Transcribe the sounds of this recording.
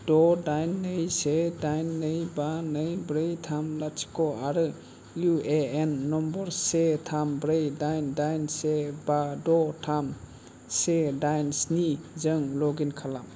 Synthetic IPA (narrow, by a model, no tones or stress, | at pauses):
d̥ɔdajnːɯjsedajnːɯjbanɯjbɾɯjtʰamlat͡ʃi̥kɔaɾɯ | jueenːɔmbɔɾsetʰambɾejdajndajnsebadɔtʰam | sedajnsnizɯŋlɔɡinkʰalam